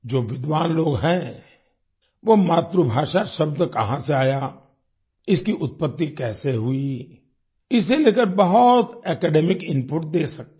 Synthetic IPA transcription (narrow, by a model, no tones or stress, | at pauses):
d͡ʒoːʋɪd̪ʋaːnloːɡɦɛ̃ | ʋomaːt̪ɾubʱaːʃaʃɐbd̪kɐɦãseaːja | ɪskiʔʊt̪̚pət̪ːikɛːseɦui | ɪseleːkəɾbɐɦʊt̪ɛːkɛːɖɛːmɪkɪ̃mpʊʈ̚d̪eːsɐk̚t̪